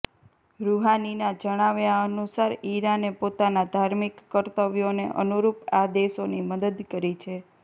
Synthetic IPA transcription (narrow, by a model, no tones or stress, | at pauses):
ɾuɦaninad͡ʒəɽ̃aʋjaənusaɾiɾanepot̪anad̪ʱaɾmikːəɾt̪əʋjonḛʔə̰nuɾupad̪eʃoniməd̪əd̪kəɾit͡ʃʰe